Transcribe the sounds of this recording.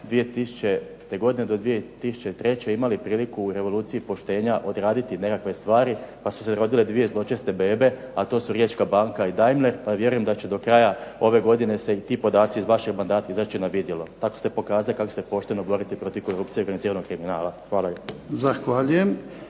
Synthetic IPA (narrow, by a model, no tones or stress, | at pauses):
d̪ʋie̞t̪isu̥t͡ʃe | t̪eɡo̞d̪ined̪o̞d̪ʋije̞t̪isu̥t͡ʃe̞t̪ɾe̞t͡ʃe̞imalipɾiːlikuːɾe̞ʋo̞lˠuːt̪sijipo̞ʃt̪e̞ːɲaʔo̞d̪ɾaːd̪it̪inekakʋe̞st̪ʋaːɾipasu̥seɾo̞d̪iled̪ʋije̞zlˠo̞t͡ʃest̪e̞beːbe̞ | at̪o̞ːsuɾje̞ːt͡ʃkabaːŋkaid̪ajmle̞ɾpaʋje̞ɾuje̞md̪at͡ɕed̪o̞kɾajao̞ʋe̞ɡo̞d̪ine̞se̞it̪iːpo̞d̪aːt̪sizʋaʃeɡmand̪aːt̪aizat͡ʃinaʋid̪jelo̞t̪ako̞st̪e̞po̞kaːzalikakost̪epo̞ʃt̪eno̞bo̞ɾit̪ipɾo̞t̪iʋko̞ɾup̚t̪ijeɾɡaniziːɾanoɡ̚kɾiminaːlˠaxʋaːlˠazaxʋaʎujem